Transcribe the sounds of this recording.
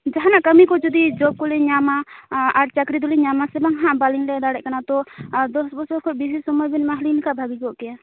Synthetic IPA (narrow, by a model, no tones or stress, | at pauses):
d͡ʒaɦanaʔkəmikɔd͡ʒɔd̪id͡ʒɔb̚kɔliɲamaaɾt͡ʃəkɾid̪uliɲamasɛbaŋɦãʔbalinlɛd̪aɽɛʔkanat̪ɔd̪ɔsbɔsbɔɾkʰɔʔbid͡ʒisɔmɔjbinmaɦlinikabʱaɡid͡ʒɔʔkɛ